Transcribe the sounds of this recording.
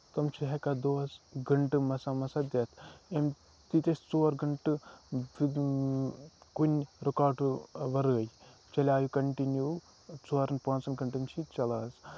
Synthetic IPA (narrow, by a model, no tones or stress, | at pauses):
t̪ɐmt͡ʃʰiɦekad̪oːsɡɐɳʈɨmɐsamɐsɐd̪et̪ʰem | t̪it̪esʲt͡soːɾɡɐɳʈɨ | kunʲɾɐkaːʈuʋɐɾəːjt͡ʃɐlʲaːjukɐɳʈinjuː | t͡soːɾɐnpãːnsɐnɡɐɳʈɨmt͡ʃʰit͡ʃɐlaːz